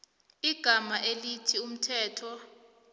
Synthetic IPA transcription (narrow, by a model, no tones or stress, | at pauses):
iɡ̥ʱamaʔelitʰium̩tʰɛːtʰɔ